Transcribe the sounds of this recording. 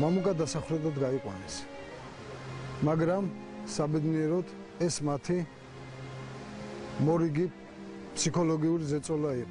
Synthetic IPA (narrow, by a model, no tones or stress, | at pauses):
mamukʼad̪asaχvɾɛt̪ad̪ɡaiqʼwanɛs | maɡɾam | sabɛd̪niɛɾɔd̪ | ɛsmat̪ʰi | mɔɾiɡi | pʰsikʰɔlɔɡiuɾizɛt̪sʼɔlai